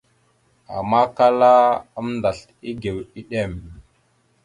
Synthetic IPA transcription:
a̰˨ma˦ka˦la˦ə˦mnda˨ɬ | i˦ɡe˨wi˦ɗe˦˨m

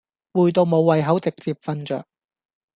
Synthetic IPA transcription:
wuː˨˧jt̪o˧wmo˨˧wwɐ˨˧jɦɐ˨˥wt͡sɪ˨k̚t͡siː˨p̚fɐ˧nt͡ʃœ̰ː˨˩k̚

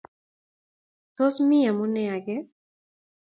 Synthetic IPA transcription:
t̪o˦smi˦a˨mu˦nɛ˦a˨ɡɛ˦

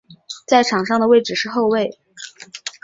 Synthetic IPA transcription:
t͡sa˥˩ɪʈ͡ʂʰɑ˨˩ŋʂɑ˥˩ŋd̪ə˩we˥˩ɪʈ͡ʂɻ̩˨˩ʂɻ̩˥˧xo˥˧ʊwe˥˩ɪ

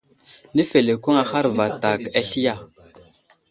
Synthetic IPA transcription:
ni˦fe˨le˨ku˦ŋa˨xa˦ɾva˨ta˨ka˦ɬi˦ja˦˨

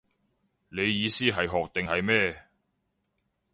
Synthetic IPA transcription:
ne˨˧jːiː˨˧siː˥ɦɐ˨jɦɔː˨k̚t̪ɪ˨ŋhɐ˨jmɛː˥

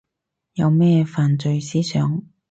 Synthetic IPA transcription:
jɐ˨˧wmɛː˥faː˨nt͡sɵ˧ɥsiː˥sœː˨˥ŋ

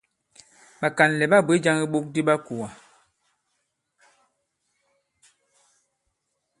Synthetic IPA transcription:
ɓa˨ka˨n˨lɛ˨ɓa˦˨bwe˦d͡ʒa˦ŋi˦ɓo˦k̚di˦ɓa˦ku˨a˨

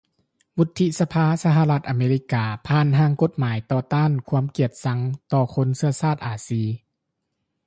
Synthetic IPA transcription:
wu˧˥t̪ʰːi˧sa˧pʰaː˧sa˧ɦa˧˨la˧t̪̚ʔa˨˧meː˧li˧˦˥kaː˧pʰaː˧˥˨nɦaː˧˥ŋko˧˦t̪̚maː˨˦jt̪ɔː˧˩t̪aː˥˨nkʰu˧˥əmki˧˩ət̪̚sa˧ŋt̪ɔː˧˩kʰo˧˥nsɯ˧ɐsaː˥˩t̪̚ʔaː˨˩siː˧˩

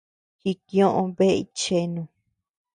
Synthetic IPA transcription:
ki˧kj̃õ˦˧ʔõ˧βe˦ʔḭ˧t͡ʃe˧nũ˧

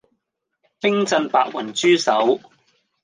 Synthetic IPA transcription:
pɪ˥ŋt͡sɐ˧npaː˧k̚wɐ˨˩nt͡ʃyː˥sɐ˨˥w

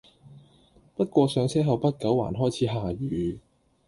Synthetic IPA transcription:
pɐ˥t̚kʷɔː˧sœː˨˧ŋsʰɛː˥ɦɐ˨˧wpɐ˥t̚kɐ˨˥wa̰ː˨˩nɦɔː˥jt͡sʰiː˨˥ɦaː˨˧ɥyː˨˧

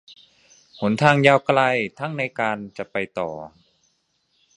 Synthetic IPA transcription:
pʰo˩˦nt̪ʰaː˧ŋjaː˧wkla˧jt̪ʰa˥˩ŋna˧jkaː˧nt͡ɕa˨˩pa˧jt̪ɔ̰ː˨˩

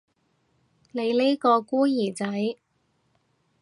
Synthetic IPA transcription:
ne˨˧jliː˥kɔː˧kuː˥jiː˨˩t͡sɐ˨˥j

